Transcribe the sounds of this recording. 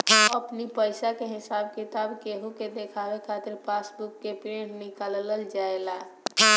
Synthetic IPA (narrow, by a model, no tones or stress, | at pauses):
əpnipəjsakeɦɪsabkit̪abkeɦũked̪ekʰabekʰat̪iɾpasbukːepɾeɖnikalləld͡ʒaela